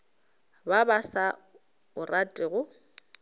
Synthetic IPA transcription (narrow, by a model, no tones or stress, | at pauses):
babasa | ʊrʔatʼɪɣʊ